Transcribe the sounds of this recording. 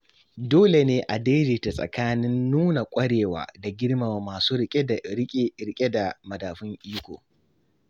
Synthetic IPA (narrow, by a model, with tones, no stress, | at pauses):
doː˦le˨neː˦ʔa˨deː˦d͡ʒe˨ta˨sʼɐ̰˨kaː˦nɪ˦nːuː˦na˨kʷʼɐ˦ɽeː˨wa̰ː˨da˨ɡʲɪ˦ɽma˨wa˨maː˨suː˦dɾɪ˦kʲʼe˦ɾɪ˦kʲʼe˦da˨mɐ˨daː˨ɸʊ˦ŋʔiː˦kʷo̰ː˨